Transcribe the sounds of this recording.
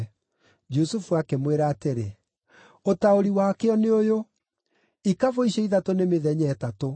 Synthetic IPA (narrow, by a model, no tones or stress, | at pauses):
d͡ʒusufuakemweɾaːteɾḛ | otaoɾiwakeɔneojo | ikavoiɕɛiðatonemeðɛɲɛːtato